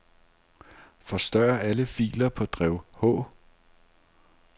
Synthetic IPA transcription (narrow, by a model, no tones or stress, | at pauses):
fɒ̽sd̥ɶːɐæləfḭːlɐpʰɒ̽d̥ʁɛʊhɔ̰̽ː